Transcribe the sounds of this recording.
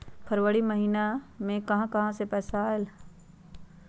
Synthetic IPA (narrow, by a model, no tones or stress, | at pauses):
pʰɐɾʋəɽimɐɦiːnamẽkɐɦãkɐɦãsepɛːsaːɦel